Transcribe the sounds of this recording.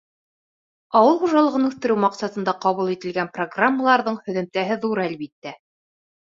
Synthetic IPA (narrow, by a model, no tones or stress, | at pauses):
ɑwɤlˠχuʒɑlˠɤ̆ʁɤnʉθt̪ɘ̆ɾɘwmɑqsɑt̪ɤ̆nd̪ɑqɑβulˠit̪ɘ̆lɡænproɡramːəlˠɑɾðɤɴhɵ̆ðɘ̆mt̪æɦɘðuɾælβit̪ːæ